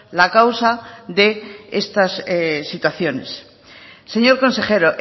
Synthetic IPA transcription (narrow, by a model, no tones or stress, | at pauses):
lakawsaðe̞est̪assit̪waθjo̞ne̞̰s | se̞ɲo̞ɾko̞nseχe̞ɾoʔ